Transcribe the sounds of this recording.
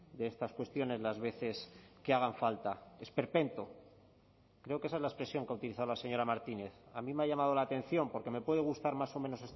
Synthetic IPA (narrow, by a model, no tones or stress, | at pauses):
d̪eest̪askwe̞st̪jo̞ne̞zlazβe̞θe̞skeaɣ̞aɱfalt̪ae̞spe̞ɾpe̞nt̪o | kɾe̞okeeaezlae̞spɾe̞sjo̞ŋkeaut̪iliθaðolase̞ɲo̞ɾamaɾt̪ine̞θamĩmeaʎamað̞o̞laːt̪e̞n̟θjo̞mpo̞ɾke̞me̞pwe̞ðe̞ɣ̞ust̪aɾmaso̞mẽ̞no̞se̞s